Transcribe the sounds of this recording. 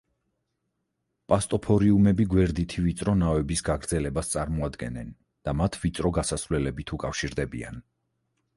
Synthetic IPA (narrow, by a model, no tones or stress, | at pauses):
pʼast̪ʼɔpʰɔɾiumɛbiɡwɛɾd̪it̪ʰivit̪sʼɾɔnavɛbisɡaɡɾd̪zɛlɛbast̪sʼaɾmɔad̪ɡɛnɛn | d̪̥amat̪ʰvit̪sʼɾɔɡasasvlɛlɛbit̪ʰukʼafʃiɾd̪ɛbḭa̰n